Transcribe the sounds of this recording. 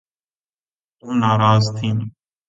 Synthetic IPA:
t̪ũːnaːɾaːzt̪ʰiːn

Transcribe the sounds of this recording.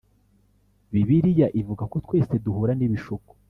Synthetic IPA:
βiβiɾijaʔivuɡako̞twe̞ːse̞duhuɾaniβiʃuku̥

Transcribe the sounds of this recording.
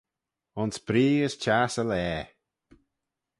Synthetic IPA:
ʊnsbɾiːəst͡ʃaːsəlɛː

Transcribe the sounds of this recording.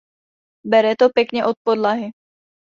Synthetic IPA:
bɛɾɛt̪opjɛkɲɛʔo̞t̪̚po̞dlaɦɪ

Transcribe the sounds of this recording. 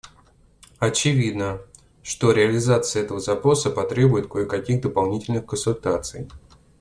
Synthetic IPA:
ɐt͡ɕɪvʲid̪nə | ʂt̪o̞ɾʲɪɐlʲɪzat̪sɨəɛt̪əvəzɐpɾo̞səpɐt̪ɾʲe̞bʊjɪt̪̚kojɪkɐkʲiɣd̪əpɐlˠnʲitʲɪlʲnɨxkənsʊlʲt̪at̪sɨ̰j

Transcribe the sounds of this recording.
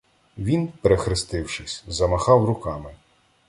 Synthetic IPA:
ʋʲinpeɾexɾɪst̪ɪwʃɪsʲzɐmɐxɑwrʊkɑmɪ

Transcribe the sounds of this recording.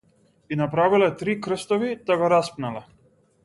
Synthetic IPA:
inapɾavilɛt̪ɾikɾ̩st̪ɔvid̪aɡɔɾaspnalɛ

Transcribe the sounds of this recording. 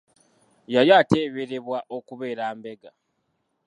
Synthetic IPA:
jajaːteːβeɾeβwaʔo̞kuβe̞ːɾaːmbe̞ɡa

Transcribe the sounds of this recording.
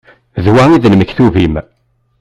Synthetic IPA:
ðwæiðnməçθuvim

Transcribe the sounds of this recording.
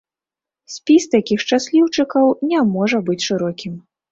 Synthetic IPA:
sʲpʲist̪akʲixt͡ʂasʲlʲiwt͡ʂɨkɐwnʲɛmɔʐɐbɨt͡sʲʂɨɾɔkʲim

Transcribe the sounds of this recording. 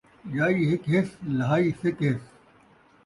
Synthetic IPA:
jaːiːɦɪkɦɪslɐɦaːiːsɪkɦɪs

